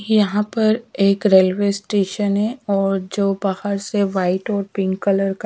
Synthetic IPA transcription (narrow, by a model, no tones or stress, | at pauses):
jɐɦãpɐɾeːkɾeːlʋesʈeːʃənɦɛɔːɾd͡ʒoːbahəɾseʋaːɪʈɔːɾpɪ̃ŋɡkːələɾk